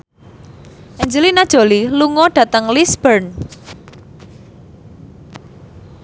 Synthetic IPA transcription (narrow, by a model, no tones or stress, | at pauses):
ʔɛɲd͡ʒəlinad̥ʒ̥o̤liluŋɔɖ̥ä̤t̪əŋlisb̥ərn